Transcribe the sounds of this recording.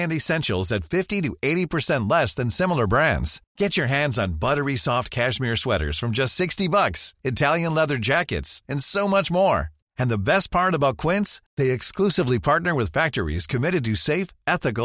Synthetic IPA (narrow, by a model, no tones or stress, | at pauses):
ndɨsɛ̃nʃl̩ˠzɨtfɪftiɾɨʔeɪɾipʰə˞sɛ̃nʔˡlɛsðɨ̃nsɪ̃ml̩ˠə˞bɹæ̃ndz̥ɡ̥ɛt͡ʃə˞ɦæ̃ndzn̩bʌɾə˞isɔft̚kʰæʃmɪɹswɛɾə̰˞z̥fɹʌ̃md͡ʒʌstsɪkstibʌksɨtʰælˠjɨ̃nlɛðə˞d͡ʒækɨ̰tsɨ̃nsoʊmʌt͡ʃmɔɹ | ɨ̃nðɨbɛst̚pʰɑɹɾʌbaʊt̚kʰw̥ɪ̃ntsðeɪɨksklusɨvlipʰɑɹtⁿnə˞wɨð̥fæk̚tə˞ḭz̥kʰɨmɪɾɨd̚tɨseɪfɛθɨk̬̩